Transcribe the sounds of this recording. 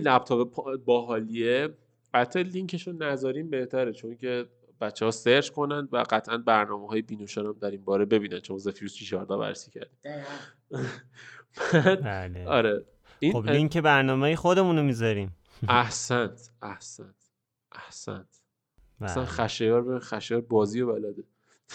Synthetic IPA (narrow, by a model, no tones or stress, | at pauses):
ilæb̚t̪ʰɒːbepʰbɒːɦɒːlie | bæt̪ʰːeliŋcʰeʃonæzɒːɾiːmbe̞ht̪ʰæɾet͡ʃʰoncʰe | b̥æt̪t͡ʃːehɒːseɾd͡ʒko̞nænd̪væ̰ɢæt̪ʰʔænbæɾnɒːmeɦɒːjebiːnoʃɒɾæmd̪æɾinbɒːɾebe̞biːnænt͡ʃʰomɒzefiɾust͡ʃʰiʃɒːɾd̪ɒːbæ̰ɾesiːcʰæ̰ɾd̪̥i | b̥æd̪leɒːɾe | iobliŋkebæɾnɒːmejexod̪e̞munomizɒɾiːm | æhsænt̪ʔæhsænt̪ | ʔæhsæ̰nd̪ | sænχæʃejɒːɾbeinxæʃejɒːɾbɒːziːjebælæd̪e